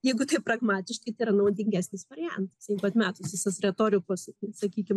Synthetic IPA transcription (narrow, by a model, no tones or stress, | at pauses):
jɛɪɡʊt̪ɐɪprɐɡmɑːt̪ʲɪʃkɐɪt̪ɐɪiɾɐnɐʊd̪ʲɪŋʲɡʲæːsʲnʲɪsʋɐɾʲɪjæ̰nt̪ɐsjɛɪɡʊɐt̪mʲæːt̪ʊsʋʲɪsɐsrʲɛt̪oːɾʲɪkossɐkʲiːkʲɪm